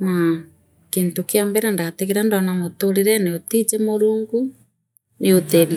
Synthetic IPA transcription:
na | kentokeambɛɾandateɣeɾandɔnamotoɾeɾɛneotid͡ʒɛmoɾuːŋɡu | neoten

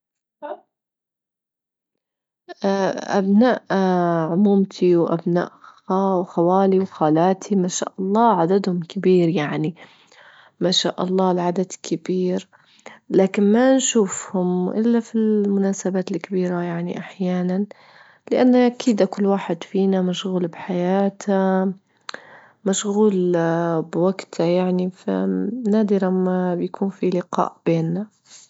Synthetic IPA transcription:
ʔa̰bnaːʔʕʊmuːmt̪ʰiwʔabna̰ːʔawxawaːliwxaːlaːt̪ʰimaːʃa̰ːʔɑlˤːɑːʕad̪ad̪hʊmkɪbiːɾjaʕni | maːʃa̰ːʔɑlˤːɑːlʕad̪ad̪kʰɪbiːɾ | laːkɪnmanʃuːfhʊmʔɪlːafilmʊnaːsabaːt̪ɪlkɪbiːɾajaʕniʔaħjaːnan | lɪʔanːaʔakiːd̪ʔakʊlːwaːħɪd̪fiːnamaʃɣuːlbħajaːt̪ʰa | maʃɣuːlbwaɡt̪ʰajaʕnifḭnaːd̪ɪɾamabjakʰuːnfilɪqɑ̰ːʔb̥eːnːa

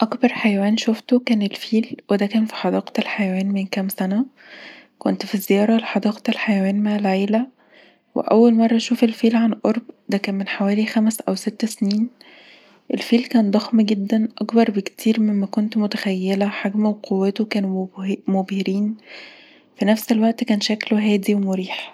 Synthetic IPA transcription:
ʔɑkbɑɾˤħajæwæːnʃoft̪okæːnelfiːlwed̪ækæːnfi̥ħɑd̪ɑːqt̪elħajæwæːnmenkæmsænæ | kont̪fizːejɑːɾˤɑleħɑd̪ɑːqt̪elħajæwæːnmaʕelʕeːlæ | wḛʔæ̰wːælmɑrˤːɑʃuːfelfiːlʕanlʔoɾˤbd̪ækæːnmenħawæːlixæmsʔæwset̪ːsniːn | ʔelfiːlkæːnd̪ˤɑxmɡed̪ːænʔɑɡbɑɾˤbekt̪ʰiːɾmemːækont̪mot̪æxæjːelæħaɡmæwqʰowːæt̪okæːnumobheɾiːn | finæfselwæʔt̪kæːnʃækloɦæːd̪iwemoɾiːħ

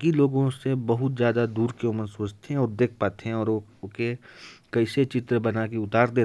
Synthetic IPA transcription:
kiloːɡõsebɐɦʊt̪zjaːd̪ad̪uːɾkeʊmənsoːt͡ʃt̪ʰeɦɛ̃ɔːɾd̪eːk̚ʰpaːt̪eɦɛ̃ɔːɾkekɐɪset͡ʃɪt̪ɾəbɐnakeʊt̪aːɾd̪eː

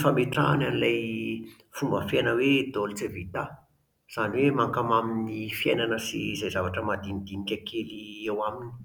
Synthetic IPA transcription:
fameʈ͡ʂa̰nanilaj | fumbəfenəwed̪olt͡sevit̪a | z̥aniwemaŋkamaminnifiḛjnanəsḭzajzavaʈ͡ʂəmad̪inid̪inikʲakʰeliewamini̥

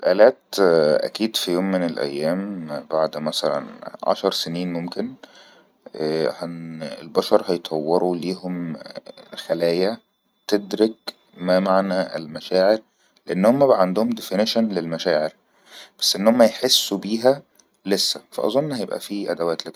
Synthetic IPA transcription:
lʔæːlæːt̪ʔæ̰kiːd̪fijoːmːenelʔæ̰jːæːmbaʕd̪mæsælæ̰nʕɑ̰ʃɑɾˤseniːnmomken | hænḛlbɑʃɑɾˤhɑjt̪ˤʰɑwːeɾuliːɦom | xælæːjæ | t̪ed̪ɾek | mæmaʕnæḛlmæʃæːʕeɾ | leʔenːhomːæʕand̪ohomd̪efɪnɪʃænlelmæʃæːʕeɾ | b̥æ̥sːʔenːhomːæjeħesːubiːɦæ | lesːæfæ̰ʔɑ̰zˤonːhæjebʔæ̰fiʔæ̰d̪æwæːt̪lek

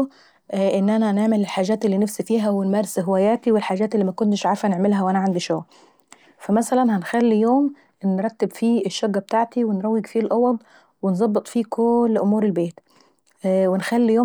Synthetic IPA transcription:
ʔɪnːʔænæneʕmɪlɪlħaːʒæːt̪ɪlːiːnafsifiːɦæwɪnmæːɾɪsɦɪwæːjæːt̪iwɪlħaːʒæːt̪ɪlːiːmækʊnt̪ɪʃʕaɾfænɪʕmɪlɦæwʔænæʕand̪iʃoɣ | fæmæsælænhænxælːijoːm | nɾˤɑt̪ːɪbfiːɪʃːoɡːæb̚t̪aːʕt̪iwɪnɾˤɑwːɪɡfiːlʔɑwɑd̪ˤ | wɪnzˤɑbːɨt̪ˤfiːkʰoːlːʔʊmuːɾɪlbeːt̪ | wɪnxælːijoː

